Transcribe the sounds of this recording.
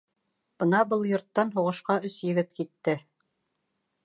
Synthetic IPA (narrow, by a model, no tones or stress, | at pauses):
b̥ɤnɑbɤlˠjŏɾt̪ːɑnɦuʁɤ̆ʃqɑɵsjɘ̆ɡɘt̪kit̪ːɘ